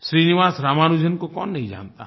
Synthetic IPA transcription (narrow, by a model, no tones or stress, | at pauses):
sɾiniʋasɾamanud͡ʒʱənkokɔ̰nːəɦĩd͡ʒa̰nt̪a̰